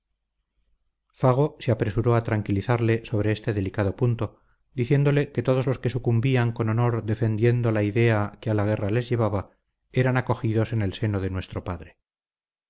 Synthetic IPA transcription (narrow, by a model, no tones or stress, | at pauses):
faɣ̞o̞seapɾe̞suɾo̞at̪ɾaŋkiliθaɾle̞so̞β̞ɾe̞est̪e̞ðe̞likaðo̞punt̪o̞ | d̪iθje̞nd̪o̞le̞ke̞t̪oð̞o̞zlo̞skesukumbiaŋko̞nono̞ɾðe̞fe̞nd̪je̞nd̪o̞laiðe̞akealaɣe̞rale̞zʝe̞β̞aβa | e̞ɾanako̞xiðo̞se̞ne̞lse̞noðe̞nwe̞st̪ɾo̞paðɾe